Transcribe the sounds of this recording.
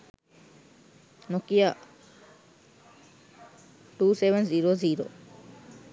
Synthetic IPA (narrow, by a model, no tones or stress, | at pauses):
nokia | ʈuːseʋẽnziɾoziɾo̰